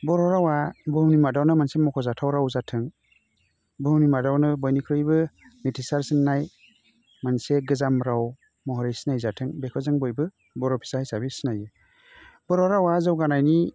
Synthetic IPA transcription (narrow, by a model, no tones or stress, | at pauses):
bɔɾɔɾawabɯɦwnimadawnɯmansemɔkʰɔzatʰawɾawzatʰɯŋ | bɯɦwnimadawnɯbɔjnikʰɾɯjbɯ | mitʰisaɾsɯnːaj | manseɡɯzamɾaw | mɔɦɔɾijsinajzatʰɯŋbekʰɔzɯŋbɔjbɯ | bɔɾɔpʰi̥sahajsabisinajɯ | b̥ɔɾɔɾawazɯwɡanajni